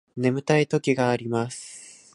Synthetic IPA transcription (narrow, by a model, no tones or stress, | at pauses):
ne̞mɯ̟t̪ait̪o̞kʲiɡaːɾʲimasɨ̥